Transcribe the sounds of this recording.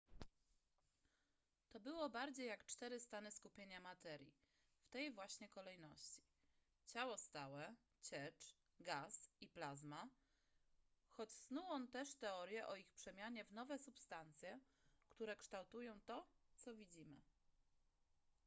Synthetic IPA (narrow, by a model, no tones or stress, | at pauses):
t̪ɔbɘwɔbaɾd͡ʑejːakt͡ʂt̪ɛɾɘst̪anɘskupʲjeɲamat̪ɛɾʲjḭ | ft̪ɛjvwaɕɲɛkɔlɛjnɔɕt͡ɕi̥ | t͡ɕawɔst̪awɛ | t͡ɕɛt͡ʂ | ɡasiplazma | xɔt͡ɕsnuwɔnt̪ɛʂt̪ɛɔɾʲjɛʔɔixpʂɛmʲjaɲɛvn̪ɔvɛsupst̪ant̪sʲjɛ | kt̪uɾɛkʂt̪awt̪ujɔ̃w̃t̪ɔt̪sɔvʲid͡ʑimɘ